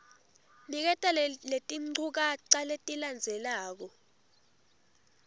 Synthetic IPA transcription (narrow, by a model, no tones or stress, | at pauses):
nik̬ɛtʼalletʼiŋ͡ǀʱuk̬aǀaletʼiland͡zʱɛlaːk̬ɔ